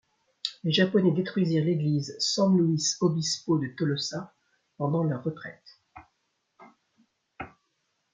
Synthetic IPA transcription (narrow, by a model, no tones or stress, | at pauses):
leʒapɔnɛd̪et̪χɥiziʁleɡlizsɑ̃luisobispod̪ət̪ɔlɔsa | pɑ̃d̪ɑ̃lœʁːət̪χɛ̰t̪